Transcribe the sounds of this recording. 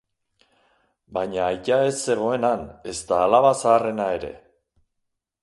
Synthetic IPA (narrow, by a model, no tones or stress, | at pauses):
baɲaːjkae̞sːe̞ɣ̞o̞e̞nane̞st̪aːlaβasaːre̞nae̞ɾe̞̰